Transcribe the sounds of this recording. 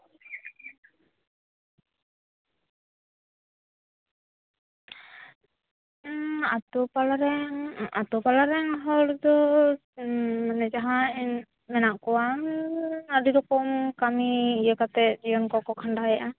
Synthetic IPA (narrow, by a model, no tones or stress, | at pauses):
at̪upalaɾɛŋat̪upalaɾɛŋaɦɔɾd̪ɔ | nɛd͡ʒaɦain | mɛnaʔkuaŋadiɾɔkɔmkamiːjəkat̪ɛʔd͡ʒiankɔkɔkʰanɖajʔa